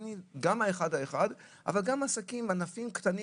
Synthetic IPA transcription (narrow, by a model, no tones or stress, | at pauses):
niɡamaeχadae̞χad | ʔa̰valɡamasakimanafimkt̪ani